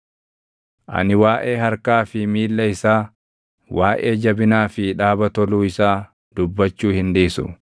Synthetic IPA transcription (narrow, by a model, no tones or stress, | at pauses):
ʔɐ̰nɪwaːʔe̞ːɦɐɾkaːfɪmiːlːɐɪsaː | wʔaːʔe̞ːd͡ʒɐbɪnaːfɪᶑaːbɐt̪ɔluːɪsaː | d̪̥ʊbːɐt͡ʃːuːhɪnd̪iːsʊ̰